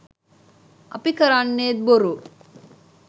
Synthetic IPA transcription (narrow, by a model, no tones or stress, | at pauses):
ɐpikɐɾaːnːeːd̪̚boɾu